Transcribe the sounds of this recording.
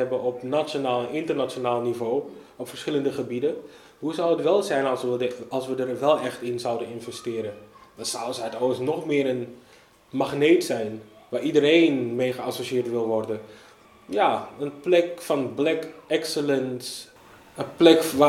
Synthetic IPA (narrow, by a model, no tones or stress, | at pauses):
ɦɛbənɔpnatt͡ʃonaːlˠənɪntərnat͡ʃonaːlˠnivoː | ɔpfərsχɪləndəχəbidə | ɦuzawətʋɛlˠzɛjnɑsəɑlˠsʋədərʋɛlˠɛχtɪnzawdənɪnvɛstɪːɾədɑnzawəzəɛtoəsnɔχmɪːəɾən | maχneːtsɛjn | ʋaːɹidəɾejnmejχəasoʃɪːrtʋɪlˠʋɔrdən | jaənplɛkfɑnblɛkɛksəlɛns | ənplɛkʋa